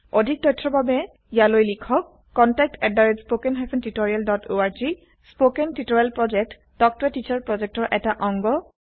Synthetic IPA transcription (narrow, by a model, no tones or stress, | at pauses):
odʱik̚dɔjtʰːɹɔbabɛ | ijalojlikʰɔkː | ɔntɛk̚tɛdaɹetspokɛnɦapʰɛntitoɹialdɔtoaɹzi | spokɛntitɔɹialpɹɔd͡ʒɛk̚t | dɔk̚tɹɛtit͡ʃaɹpɹɔd͡ʒɛk̚tɔɹʔɛtaʔɔŋɡɔ